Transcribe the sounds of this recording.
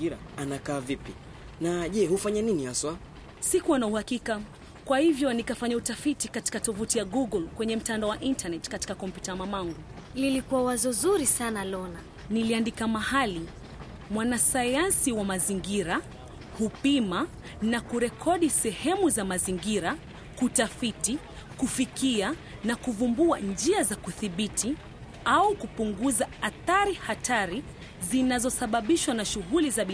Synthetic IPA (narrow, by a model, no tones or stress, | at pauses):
iɾaanakaːvipi | naʄɛhufaɲaninihaswa | sikuwanauhakika | kwahivjɔnikafaɲautafitikati̥katɔvutijaɡuɡɔlkwɛɲɛm̩tandaɔwaʔintanɛtkati̥kakɔmpjutamamaŋɡu | lilikuwawazɔzuɾisanalɔna | niliandikamahali | mwanasajansiwamaziŋɡiɾa | hupima | nakuɾɛkʰɔɗisɛhɛmuzamaziŋɡiɾa | kutafiti | kufikia | nakuvumbuand͡ʒiazakuθiɓitʰi | aukupuŋɡuzaaθaɾihataɾi | zinazɔsaɓaɓiʃwanaʃuɣulizaɓi